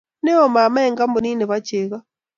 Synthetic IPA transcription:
ne˦o˨ma˨ma˦e˨ŋɡa˦mbo˨ni˦ne˨βa˦t͡ʃe˨ɣa˦

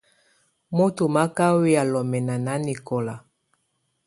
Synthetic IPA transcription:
mo˦to˨ma˦ka˦we˦ja˨lɔ˨mɛ˨na˨na˦ni˨kɔ˨la˨

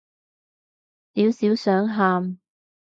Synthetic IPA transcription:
t̪iː˨˧wsiː˨˥wsœː˨˥ŋɦaː˧m

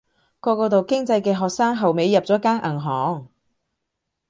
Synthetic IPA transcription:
kɔː˧kɔː˧t̪o˨wkɪ˥ŋt͡sɐ˧jkɛː˧ɦɔː˨k̚saː˥ŋɦɐ˨wme˨˧jːɐ˨p̚t͡sɔː˨˥kaː˥nʔɐ˨˩ŋɦɔː˨˥ŋ

